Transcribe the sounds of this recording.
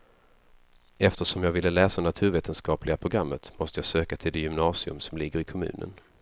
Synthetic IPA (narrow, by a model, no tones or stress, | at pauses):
ɛft̪əʂɔmjɑːɡvɪlːəlɛːsanat̪ʰʉ̟ːɾveːt̪ʰənskɑːplɪɡapʰɾʊɡɾamːət̪mɔst̪əjɑːsøːkat̪ʰɪld̪ejʏmnɑːsɪɵ̰msɔmlɪɡəɾɪkʰɔmʉ̟̰ːnə̰n